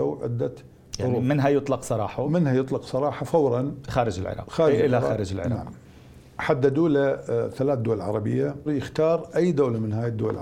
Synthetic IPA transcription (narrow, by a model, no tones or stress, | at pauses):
awʕɪ̰d̪ːat̪ | jʊɾuːmɪnɦajʊt̪ˤlɑqsˤɑɾˤɑːħamɪnhajɨt̪ˤlɑqsˤɑɾˤɑːħafawɾˤɑnxaːɾɪd͡ʒɪ̰lʕɪ̰ɾˤɑ̰qxaːɾʔɪlːaxaːɾɪd͡ʒɪlʕɪ̰nɾɑa̰ʕqm | ħad̪ːad̪uːlaθalaːt̪d̪ʊwalʕɑ̰ɾˤɑbɪ̰jːajɪxt̪ɑːɾˤʔajːd̪awlamɪnɦaːjɪd̪ːʊ̰wa̰lʕ